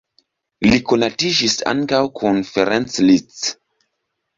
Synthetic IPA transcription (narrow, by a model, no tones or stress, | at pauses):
likonatid͡ʒisa̰ŋkawkʰunfeɾenslit͡s